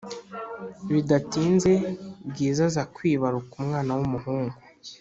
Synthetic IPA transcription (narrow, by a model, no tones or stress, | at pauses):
βidatiːnze̞bɟiːzazakwiːβaɾukumŋaːnawumuɦuːŋɡu